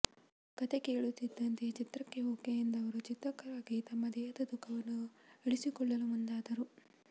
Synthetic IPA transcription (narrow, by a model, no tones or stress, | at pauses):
kɐt̪eke̞ːɭut̪ːid̪ːɐnt̪et͡ʃit̪ɾɐkːe̞oːkejind̪ɐʋɐɾut͡ʃit̪ɾɐkːɐɾaːɡit̪ɐmːɐd̪ɛːjɐd̪ɐd̪ukʰːɐʋɐnːueɭisikɔɭːɐlumund̪aːd̪ɐɾu